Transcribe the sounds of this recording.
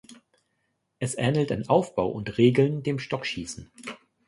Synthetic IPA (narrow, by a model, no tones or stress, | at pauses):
ʔɛsʔɛnl̩ta̰nʔaʊfb̥aʊʔʊntʁeːɡl̩ndeːmʃtɔkʃiːsn̩